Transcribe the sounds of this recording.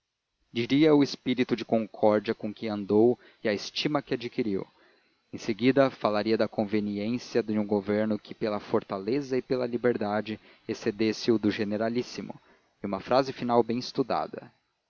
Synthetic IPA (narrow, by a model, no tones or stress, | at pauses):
d͡ʒiɾiɐʊespiɾit̪ʊd͡ʒɪkõŋkʰɔɾd͡ʒiɐkõkɪɐ̃nd̪ow | ɪɐest͡ʃimɐkɪad͡ʒikiɾiw | ẽseɡid̪ɐfalaɾiɐd̪ɐkõveniẽsiɐd̪ɪũɡoveɾnʊkʰɪpelɐfoɾt̪alezɐɪpelɐlibeɾd̪ad͡ʒɪ | esed̪esɪʊd̪ʊʒeneɾalisimʊ̰ | iũmɐfɾazɪfinawbẽj̃ɪst̪ud̪a̰d̪ɐ̰